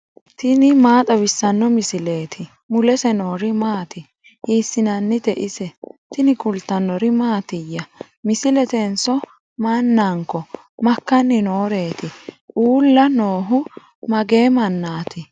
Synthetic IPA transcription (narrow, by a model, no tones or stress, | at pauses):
t̪ɪnɪmaːt̪ʼɐbɪsːɐnːɔmɪsɪle̞ːt̪ʰɪ | mʊlɛsɛno̞ːɾɪmaːt̪ɪ | iːsːɪnɐnːɪd̪ɛʔɪsɛt̪ɪnɪkʊlt̪ɐnːɔɾɪmaːt̪ɪjːɐ | mɪsɪlɛt̪ɛnsɔ | mɐnːaŋkːɔ | mɐkːɐnːɪno̞ːɾe̞ːt̪ɪʔuːlːɐno̞ːɦʊ | mɐɡe̞ːmɐnːaːt̪ʰɪ